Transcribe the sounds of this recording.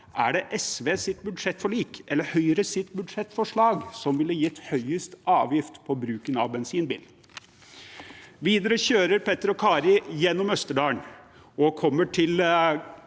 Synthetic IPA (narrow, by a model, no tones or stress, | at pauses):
ʔæɖɛʔɛsʋeːsɪt̪bʉd̪ʂɛt̪ːfɔɭiːkʔɛlːəɾhœʏəɾəsɪt̪bʉd̪ʂɛt̪ːfɔʂɭɑːɡsɔmʋɪləjɪt̪ːhœʏəst̪ɑːʋjɪft̪pʰɔbɾʉːkənɑ̰ʋbɛnsiːnbḭːlː | ʋiːd̪əɾəçøːɾəɾpʰɛt̪əɾɔkʰɑːɾɪjɛnːɔmœst̪əɖɑːəɳ | ɔkʰɔmːəʈʰɪl